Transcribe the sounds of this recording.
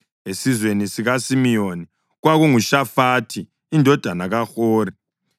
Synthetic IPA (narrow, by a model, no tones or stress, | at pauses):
esizwenisiɣasimijoni | ɣwaɣuŋuʃafaːtʰiː | ndʱɔd̥ʱanaɣaxoːri